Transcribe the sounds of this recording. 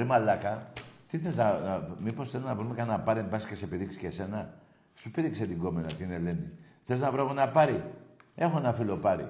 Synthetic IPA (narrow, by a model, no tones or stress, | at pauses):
ɾimalɐkɐt̪iθeleznɐnmiposθeleznɐvɾumekɐanɐpɐɾebɐsi̥ce̞sepiðiksi̥cese̞nɐ | supiðikset̪iŋɡo̞menɐt̪inele̞ni | θeleznɐvɾoeɣonɐpɐɾie̞xo̞nɐfilo̞pɐɾḭ